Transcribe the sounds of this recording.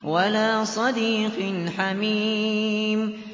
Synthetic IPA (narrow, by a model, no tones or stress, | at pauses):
walaːsˤɑd̪iːqnħamiːm